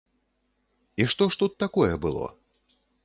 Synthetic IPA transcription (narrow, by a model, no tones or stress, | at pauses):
iʂt̪ɔʂt̪ut̪ːakɔjɛbɨlˠɔ̰